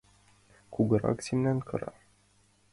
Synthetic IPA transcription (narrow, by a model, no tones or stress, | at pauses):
kuɡəɾa̰ksʲimnænkʰɤ̰ɾɑ̰